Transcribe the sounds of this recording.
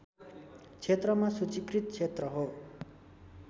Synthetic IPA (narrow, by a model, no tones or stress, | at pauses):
t͡sʰet̪rʌmasut͡sikrit̪̚t͡sʰet̪rʌɦo